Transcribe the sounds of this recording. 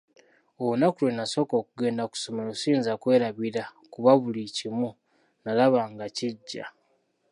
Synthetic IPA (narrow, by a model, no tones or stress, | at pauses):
ounakulwenaso̞ːko̞ːkuɡe̞ːndaku̥so̞melosiːnzakwe̞ːɾaβiɾakuβaβulicimu | nalaβaːŋɡaciɟːa̰